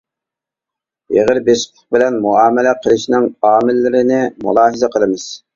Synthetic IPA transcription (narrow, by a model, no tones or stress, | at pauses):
jḛʁəɾbeʃqʰə̥q̚bɪlɛnmuɑːmɪlɛqʰəlˠɨʃnɪŋɑːmɪlːɪɾɪnɪmṵlˠɑːɦəzɛqʰəlˠɨmɨz̥